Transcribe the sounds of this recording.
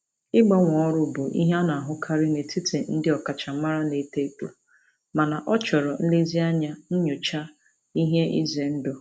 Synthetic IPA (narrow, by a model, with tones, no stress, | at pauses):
ɪ˦ɡ͡bɔ˦ŋʷɔ˨ɔ˦ɾʊ˦bʊ˨ʔḭ˦ɦa˦na˨a˨ɦʊ˦kʰa˦ɾɪ˦ne˨tʰi˦tʰe˨n̩˦dɪ˦ɔ˨ka˨t͡ʃa˨˦ma˦ɾa˦ne˨te˦k͡pu˨ | ma˨na˨ʔɔ˦t͡ʃɔ˨ɾɔ˨n̩˦lɪ˦zi˦a˦ɲa˦n̩˦ɲʊ˨t͡ʃa˦ | i˦ɦe˦ḭ˦ze˨n̩˦dʊ˨